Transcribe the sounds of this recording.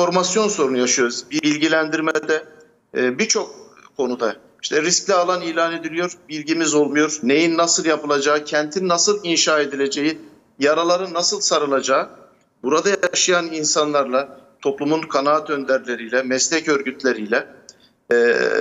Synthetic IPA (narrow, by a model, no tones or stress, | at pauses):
fo̞ɾmasjo̞nso̞ɾunujaʃɯjo̞ɾuzbibilʲɟilʲænd̪iɾmɛd̪ɛ | bit͡ʃʰo̞k̚ːʰo̞nud̪a | iʃt̪ʰɛɾisc̚lʲɛalˠaniːlʲaːne̞d̪ilʲijo̞ɾbilʲɟimizo̞lˠmujo̞ɾne̞jinːasɯlˠjapɯlˠad͡ʒaːcʰɛnt̪ʰinnasɯlˠinʃaːe̞d̪ilʲe̞d͡ʒe̞ji | jaɾalˠaɾɯnasɯlˠsaɾɯlˠad͡ʒaː | buɾad̪ajaʃɯjaninsanlˠaɾlˠat̪ʰo̞plˠumunkʰanaːt̪ø̞nd̪ʲæɾlʲe̞ɾijlʲɛmɛslʲɛcø̞ɾɟyt̪ʰlʲe̞ɾijlʲɛ